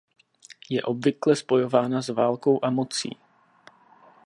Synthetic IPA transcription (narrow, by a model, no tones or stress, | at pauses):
jɛʔo̞bvɪklɛspo̞jo̞vaːnazvaːlko̞wʔamo̞t͡sḭː